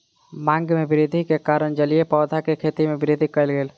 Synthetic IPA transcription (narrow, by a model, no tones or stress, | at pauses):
mãŋɡmebiɾid̪ʱikekaɾənd͡ʒəlijepɔːd̪ʱakekʰet̪imebɪɾid̪ʱikəjlɡeːl